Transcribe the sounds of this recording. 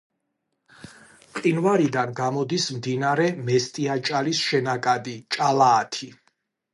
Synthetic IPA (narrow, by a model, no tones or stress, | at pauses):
qʼinvaɾid̪anɡamɔd̪ismd̪inaɾɛmɛst̪ʼiat͡ʃʼalisʃɛnakʼad̪it͡ʃʼalaːt̪ʰi